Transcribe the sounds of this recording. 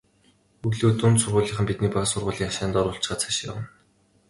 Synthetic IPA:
uɣɮuːt̪unt̪sʊrʁʊːɮiːχə̆mpit̪niːpasʊrʁʊːɮʲiːŋaʃaːnt̪ɔɾʊːɬt͡ɕχaːt͡sʰḁʃja̰wə̆n

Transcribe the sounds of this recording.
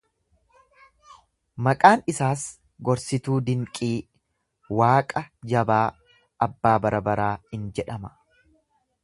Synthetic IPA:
mɐkʼaːnɪsaːs | ɡɔɾsɪt̪uːd̪ɪŋkʼiː | waːkʼɐd͡ʒɐbaː | ɐbːaːbɐɾɐbɐɾaːhɪnd͡ʒɛᶑɐmɐ̥

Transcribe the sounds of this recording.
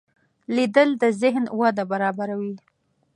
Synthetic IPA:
lid̪əld̪əzɪɦnwad̪abaɾɑbaɾawi

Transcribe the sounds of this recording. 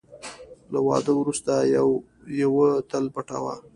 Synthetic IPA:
lawɑ̰d̪əwɾust̪ajw | jawət̪alpaʈa̰wa

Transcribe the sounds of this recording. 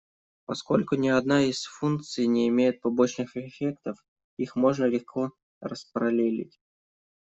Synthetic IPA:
pɐsko̞lʲkʊnʲɪɐd̪najisfunk̚t̪sɨjnʲɪɪmʲejɪt̪̚pɐbo̞t͡ɕnɨxɪfʲekt̪əf | ixmo̞ʐnəlʲɪxkʰo̞ | rəspɾɐlʲelʲɪ̰tʲ

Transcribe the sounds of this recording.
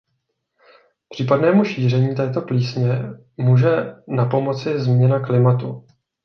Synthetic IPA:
pr̝̥iːpadnɛːmuʃiːr̝ɛɲiːt̪ɛːt̪o̞pliːsɲɛ | muːʒɛnapo̞mo̞t͡sɪzmɲɛnaklɪmat̪u

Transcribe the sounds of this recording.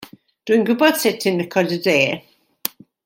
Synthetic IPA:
d̥uinɡwɪbɔd̥sɪtʰɪnəkʰɔdədeː

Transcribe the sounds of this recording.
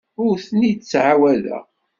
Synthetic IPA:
ʊɾθnit͡sːʕawælæ̰

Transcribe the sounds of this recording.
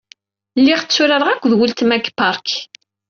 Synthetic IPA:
lːiʁt͡sːʊɾaɾˤəʁækʷːðwəlt̪mæɡpaɾˤk

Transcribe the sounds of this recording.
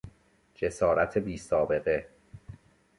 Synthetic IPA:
d͡ʒe̞sɒːɾæt̪ʰebiːsɒːbe̞ɣe̞

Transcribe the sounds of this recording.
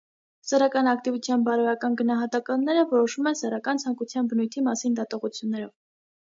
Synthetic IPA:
səɾɑkɑnɑkt̪ivut͡sʰjɑnbɑɾɔjɑkɑnɡənɑɦɑt̪ɑkɑnːɛɾəvɔɾɔʃumɛnsɛɾɑkɑnt͡sʰɑŋkut͡sʰjɑnbənujt̪ʰimɑsind̪ɑt̪ɔʁut͡sʰjunːɛɾɔv

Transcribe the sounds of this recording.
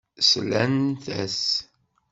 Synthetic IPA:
slænθæ̰s

